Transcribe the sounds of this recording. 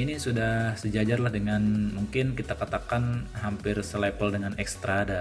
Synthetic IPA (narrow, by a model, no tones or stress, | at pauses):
inisudahsəd͡ʒad͡ʒarlahdəŋanmuŋkɪnkit̪akat̪akanɦampɪrsəlapəldəŋanɛkst̪ɾada